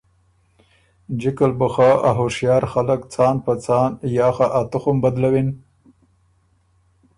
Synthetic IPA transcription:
d͡ʒɪkalbəxaaɦoʂjɑːɾxaləkt͡sɑnpat͡sɑnjɑːxaʔat̪ʊxʊmbad̪lawin

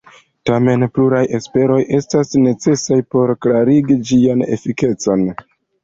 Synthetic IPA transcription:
tame̞npluɾajʔe̞spe̞ɾo̞jʔe̞stasne̞t͡se̞sajpo̞ɾklaɾiɡid͡ʒiane̞̰fike̞t͡so̞n

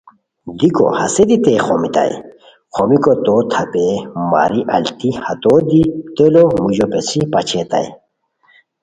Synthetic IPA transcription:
d̪iko̰hɐsed̪it̪eːxomit̪a̰j̰ | xomikot̪ot̪ʰɐpema̰ːɾiʔɐlt̪ihɐt̪od̪it̪elomuʑopesipɐt͡ɕʰet̪a̰j

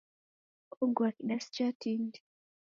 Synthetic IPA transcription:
uŋɡwakiɗast͡ʃatindi

